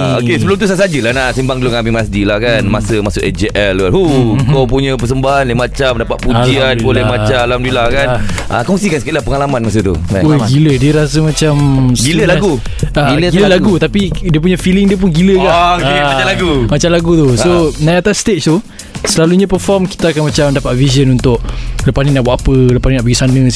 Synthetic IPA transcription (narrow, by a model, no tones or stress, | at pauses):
okesəbəlʊmt̪̬usasad͡ʒəlahnaʔsimbaŋduloŋamimas̬dilahkanmasəmasʊkʔɛd͡ʒeʔɛlanhukop̬uɲə̃pəs̬əmbaɦanlemat͡ʃamdapat̪̚pud͡ʒianbolɛmat͡ʃalamdilakanʔa̰kɔŋsikansəklahpəŋalamanmas̬ət̪ṵmɛoɡilədiəɾas̬əmãt͡ʃamsɡiləlaɡu | aɡiləɡiləlaɡut̪apidiəp̬uɲafilɪŋdiəp̬ʊnɡiləkaaaalaɡumat͡ʃamlaɡut̪usonaat̪asst̪et͡ʃt̪u | səlaluɲãpəfɔmki̥t̪aːkanmãt͡ʃamdapat̪̚vizənunt̪ʊʔləpasninaʔbwaʔapələpasnĩnaʔbəɡisanə̃